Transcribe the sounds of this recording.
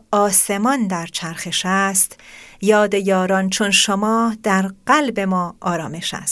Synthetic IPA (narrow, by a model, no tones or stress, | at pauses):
ɒːse̞mɒnd̪æɾt͡ʃʰæɾxe̞ʃæst̪jɒːd̪ejɒːɾɒnt͡ʃʰonʃomɒːd̪̥æɾɢælbe̞mɒːʔɒːɾɒːme̞ʃæ̰st̪